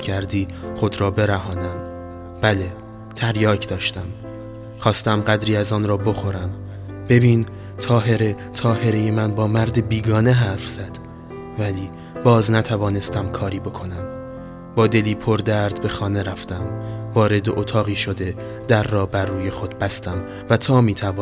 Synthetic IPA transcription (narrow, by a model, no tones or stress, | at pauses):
cʰæɾd̪iːχo̞d̪ɾɒːbe̞ɾæɦɒːnæm | b̥æle̞ | t̪ʰæɾjɒːcʰd̪̥ɒːʃt̪æm | χɒːst̪æmɢæd̪ɾiːæzɒːnɾɒːbo̞xo̞ɾæm | b̥e̞biːn | t̪ʰɒːɦe̞ɾet̪ʰɒːhe̞ɾeje̞mænbɒːmæɾd̪ebiːɡɒːne̞ɦæɾfz̥æd̪̥ | væliː | bɒːznæt̪ʰævɒːne̞st̪æmkʰɒːɾiːbo̞kʰo̞næm | bɒːd̪e̞liːpʰo̞ɾd̪æɾd̪be̞xɒːne̞ɾæft̪æmvɒːɾe̞d̪eʔot̪ʰɒːɣiːʃo̞d̪e̞ | d̪̥æɾːɒːbærːuːje̞xo̞d̪̥̚bæst̪æm | væt̪ʰɒːmiːt̪ʰævɒː